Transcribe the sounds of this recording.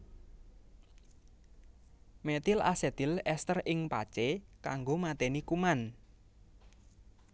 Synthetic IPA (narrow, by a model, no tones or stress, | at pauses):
met̪ɪlʔa̰sɛd̪̥ɪ̤lɛst̪ərɪŋpa̰t͡ʃekaŋɡomat̪enikuman